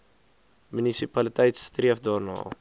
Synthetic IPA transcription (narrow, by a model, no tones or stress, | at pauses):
mynisipalit̪ɛjtst̪riəfd̪ɔrnɔ̰ː